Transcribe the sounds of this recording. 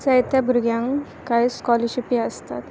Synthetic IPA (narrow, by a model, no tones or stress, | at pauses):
səjt̪abuɾɡjãŋ | kajskɔlɔɕipĩəst̪a̰t̪